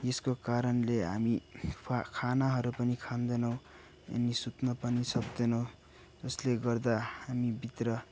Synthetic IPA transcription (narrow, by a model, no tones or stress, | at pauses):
jeskokaɾʌnleɦami | kʰanaɦʌɾupʌnikʰand̪enʌw̃ | ḛnːisut̪nʌpʌnisʌbd̪enʌw̃ | d͡zʌsleɡʌrd̪ahamibit̪rʌ